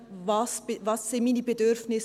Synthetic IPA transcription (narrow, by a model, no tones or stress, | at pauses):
vɑsvɑsːɪnmiːnibedʏɾfnɪs